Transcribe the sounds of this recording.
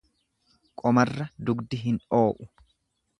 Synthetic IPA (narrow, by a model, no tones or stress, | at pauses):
kʼɔmɐrːɐd̪ʊɡd̪ɪɦɪnᶑo̞ːʔʊ